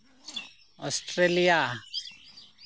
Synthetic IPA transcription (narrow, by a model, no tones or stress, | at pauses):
ɔsʈɾelija